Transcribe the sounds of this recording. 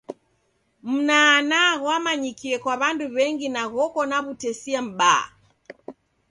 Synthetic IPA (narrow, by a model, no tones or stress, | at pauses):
m̩naːnaɣwamaɲikiɛkwaβanduβɛŋɡinaɣɔkɔnaβutɛsiam̩ɓa̰